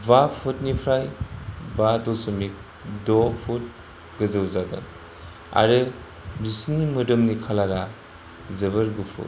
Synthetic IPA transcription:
bapʰutnipʰɾajbatɔsɔmik̚ | dɔpʰut̚ | ɡɯzɯwzaɡɯ̰ | a̰ɾɯ | bisnimɯdɯmnikʰalaɾa | zɯβɯɾɡɯpʰṵt̚

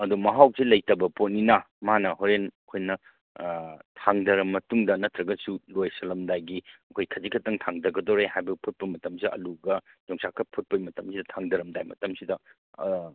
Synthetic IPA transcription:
ɐdumɐɦawsilɐjtɐbɐpot̚ninɐ | manɐɦoɾenɐkʰojnɐ | tʰaŋdɐɾɐmːɐtuŋdɐnɐtɾɐɡɐsulojsɐlɐmdajɡiɐkʰojkʰɐzikʰɐtːɐŋtʰaŋdɐɡɐdoɾehajbɐɡipʰut̚pɐmɐtɐmsiɐʔɐ̰luɡɐ | d͡ʒoŋsakʰːɐpʰut̚pɐjmɐtɐmsidɐtʰaŋdɐɾɐmdajmɐtɐmsidɐ

